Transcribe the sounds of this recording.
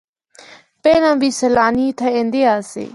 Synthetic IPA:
peːlãːbiːsəlaːniːt̪ʰaẽːnd̪eːaːsḛː

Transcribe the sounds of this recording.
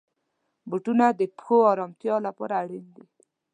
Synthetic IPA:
buʈunad̪əpxoɑɾɑmt̪jɑlapɔ̰ɾaːɽind̪i

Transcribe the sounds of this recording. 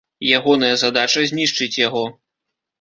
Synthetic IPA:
jaɣɔnɐjɐzad̪at͡ʂɐzʲnʲiʂt͡ʂɨt͡sʲjaɣɔ

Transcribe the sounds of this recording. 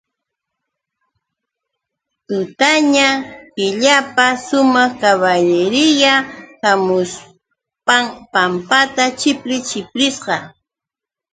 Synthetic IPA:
t̪ʊt̪aɲapɪʎapasʊmɑχkaβaʎɪɾɪjahamʊs | paŋpampat̪at͡ʃɪpɾɪt͡ʃɪpɾɪsqɑ

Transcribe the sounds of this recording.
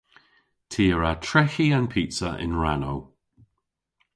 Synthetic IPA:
tʰiːəɹatʰɹɛxiãnpʰitsəʔɪ̰̃nɹanow

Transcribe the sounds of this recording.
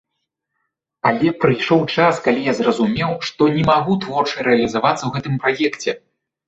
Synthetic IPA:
alʲɛpɾɨjʂɔwt͡ʂaskalʲijazrɐzumʲɛwʂt̪ɔnʲɛmaɣut̪vɔrt͡ʂɨjɾɛɐlʲizavat̪sːɐwɣɛt̪ɨmpɾajɛkt͡sʲɛ

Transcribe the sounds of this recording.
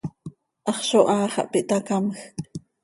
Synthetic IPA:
ʔɑχʃoʔɑːχɑ̰ʔpiʔt̪ɑkamx

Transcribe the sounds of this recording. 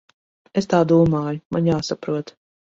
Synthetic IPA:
est̪aːd̪uːmaːjʊmanjaːsapɾuɔt̪

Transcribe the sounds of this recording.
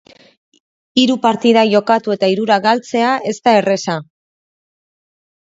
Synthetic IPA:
iɾupaɾt̪iðaʝo̞kat̪ue̞t̪aiɾuɾaɣalt͡se̞aʔe̞st̪ae̞re̞sa

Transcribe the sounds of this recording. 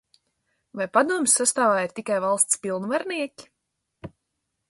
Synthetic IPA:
vajpad̪uɔmsːast̪aːvaːiɾt̪ikajvalˠst̪spilˠnvaɾniɛkʲi̥

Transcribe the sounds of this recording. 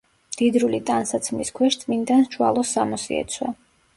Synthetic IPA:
md̪̥id̪ɾulit̪ʼansat̪sʰmiskʰwɛʃt̪ʼmind̪ant͡ʃʰwa̰lˠɔsːamɔsḭɛ̰t̪sʰwa

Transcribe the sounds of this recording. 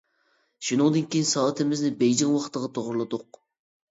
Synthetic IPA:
ʃunɨŋd̪ɨnkʲejinsɑːt̪ʰɪmɪznɪbejd͡ʒɪŋwɑχʰt̪ːəʁɑt̪ʰoʁɾlˠɨd̪ʊq

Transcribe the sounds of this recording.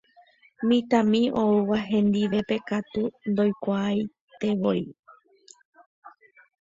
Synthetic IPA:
mĩt̪ãmĩo̞uʋaɦẽ̞nd̪iʋe̞pe̞kat̪und̪o̞jkʷaːj | t̪e̞ʋo̞i

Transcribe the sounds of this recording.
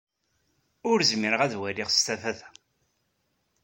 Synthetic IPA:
ʊɾzmiɾəʁæðwæliʁst̪æfæθæ̥

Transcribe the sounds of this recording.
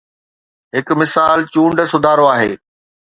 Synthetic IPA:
ɦɪkmɪsaːlt͡ɕũːɳɖsʊd̪ʱaːɾoaːɦḛː

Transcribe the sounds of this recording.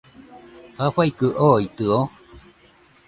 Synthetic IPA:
haɸaikɯʔoit̪ɯo

